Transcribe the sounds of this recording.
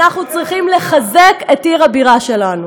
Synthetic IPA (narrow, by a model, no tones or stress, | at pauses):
naχnut͡sʁiχimleχaze̞ketiʁabiʁaʃe̞lanu